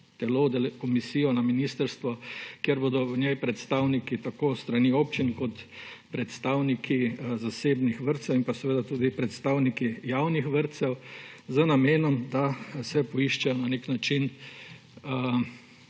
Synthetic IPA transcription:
t̪ɛlod̪ɛlkɔmisiːjɔnaminist̪əɾst̪ʋɔkjeɾboːd̪ɔnɛjpɾɛt̪st̪aːwnikit̪akoːst̪ɾanioːp̚t͡ʃinkɔt̪ | pɾɛt̪st̪aːwnikʰizaseːbnixʋəɾt̪sɛwimpasɛʋeːd̪at̪uːd̪ipɾɛt̪st̪aːwnikijaːwnixʋəɾt̪sɛwzənameːnɔmd̪asɛpɔiʃt͡ʃɛjɔnaneknat͡ʃin

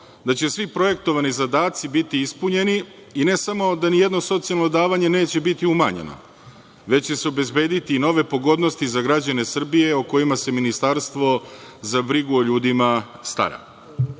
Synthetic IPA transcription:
d̪at͡ɕe̞sʋipɾo̞je̞k̚t̪o̞ʋanizad̪aːt̪sibit̪iispuɲe̞niː | ne̞samo̞d̪anije̞d̪no̞so̞t̪sijalno̞d̪aːʋaɲe̞ne̞ːt͡ɕe̞bit̪iuma̰ɲḛno̰ | ʋe̞t͡ɕt͡ɕe̞seobe̞zbe̞ːd̪it̪ino̞ʋe̞po̞ɡo̞d̪nost̪izaɡɾad͡ʑane̞sr̩bije̞oko̞jimase̞minist̪aɾst̪ʋo̞zabɾiɡuoʎuːd̪imast̪a̰ɾa̰

